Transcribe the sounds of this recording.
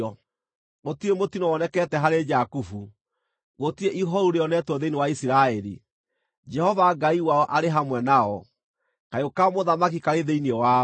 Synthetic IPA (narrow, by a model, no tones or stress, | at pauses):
ɔ | ɣotiemotinɔwɔnɛkɛtɛɦaɾed͡ʒakufu | ɣotieʔiɦɔɾuɾeɔnɛtwɔðeinewaisiɾaɛɾḭ | d͡ʒɛhɔvaɡaiwaɔʔaɾeɦamwɛnaɔ | kajokamoðamak̬ikaɾeðeiniɔwa